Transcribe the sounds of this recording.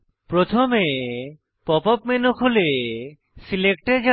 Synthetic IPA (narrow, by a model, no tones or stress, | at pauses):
pɾot̪ʰome | pɔpɔpmenokʰole | silek̚ʈeɾd͡ʑa